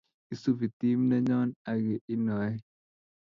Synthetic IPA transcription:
i˦su˦vi˨t̪i˦mnɛ˦ɲɔ˦na˨ɡe˨ʔi˦nɔ˨ɛ˦

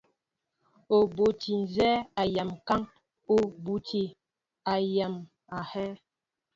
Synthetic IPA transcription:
o˨bo˨ti˨n˨zɛ˦a˨ja˨mka˦ŋ | o˨bu˨ti˨ | a˨ja˨m | a˨hɛ˦

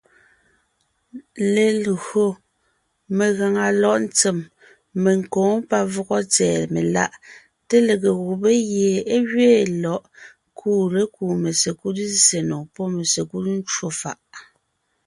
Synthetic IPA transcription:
le˨lɣo˨ | me˨ɣa˨ŋa˨lɔ˦˨ʔn̩˦t͡se˨mː | e˨ŋ̩˨kɔ̃ː˨˦ŋpa˦vɔ˦ɣɔ˦t͡sɛː˨me˨la̰˦˨ʔ | te˦le˨ɣe˨ɣu˨be˦ɣje˨e˦ɣɥeː˦˨lɔ˨ʔ | kʰuː˦ɾe˨˦kuː˨me˨se˨ku˦tze˨nɔ˨pɔ˦me˨se˨ku˦tn̩˦t͡ʃwo˦fa̰˨ʔ

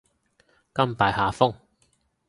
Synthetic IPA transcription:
kɐ˥mpaː˨jhaː˨˧fʊ˥ŋ

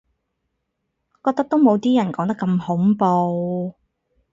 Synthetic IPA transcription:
kɔː˧t̪ɐ˥k̚t̪o˥wmo˨˧wt̪iː˥jɐ˨˩nkɔː˨˥ŋt̪ɐ˥kɐ˧mhʊ˨˥ŋpo˧w

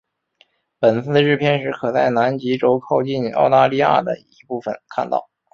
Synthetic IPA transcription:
pə˨˩nsɹ̩˥˩d̪ə˩ɻɻ̩˥˧˩pʰjɛ˥˧nʂɻ̩˥kʰɤ˨˩t͡sa˥˩ɪna˧˥nt͡ɕi˧˥ʈ͡ʂo˧˥ʊkʰo˥˧ʊt͡ɕi˥˩nɑ̰˥˧ʊt̪a˥˧li˥˧ja̰˥˩d̪ə̰˩i˧˥pu˥˩fə̰˨˩nkʰa̰˥˧nt̪ɑ̰˥˩ʊ

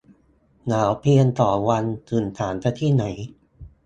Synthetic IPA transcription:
naː˩˦wpʰi˧ənt̪ɔː˨˩wa˧nt̪ʰɯː˨˩nt̪ʰaː˩˦nt̪a˧t̪ʰiː˥˩na˩˦j

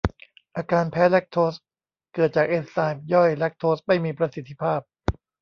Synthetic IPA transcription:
ʔaː˧kaː˧npʰɛː˦˥lɛ˦˥k̚t̪ʰoː˦˥s | kɤː˨˩t̪̚t͡ɕaː˨˩k̚ʔeː˧nsaː˧jm̚jɔ˥˩jlɛ˦˥k̚t̪ʰoː˦˥s̚ma˥˩jmiː˧pɾa˧si˨˩t̪ʰːi˦˥pʰaː˥˩p̚

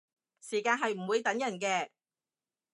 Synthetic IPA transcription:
siː˨˩kaː˧nɦɐ˨jm̩˨˩wuː˨˧jt̪ɐ˨˥ŋjɐ˨˩nkɛː˧

